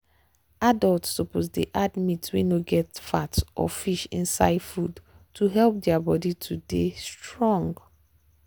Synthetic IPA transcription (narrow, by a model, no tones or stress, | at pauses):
adaltsɔpozdeʔadmitwḭnoɡɛtfatʔɔ̰fiʃḭ̃nsa̰ɪdfud | tʰuɦɛlˠp̚dɛabɔditʰudestɹɔ̃ŋɡ